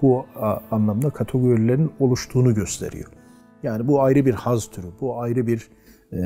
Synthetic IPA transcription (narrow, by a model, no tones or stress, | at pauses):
buanlˠamd̪akʰat̪ʰoɡøɾilʲeɾino̞lˠuʃt̪ʰuːnuɟø̞st̪ʰe̞̰ɾḭjo̞̰ | jaːnibuajɾɯbiɾhazt̪ʰyɾybuajɾɯbiɾ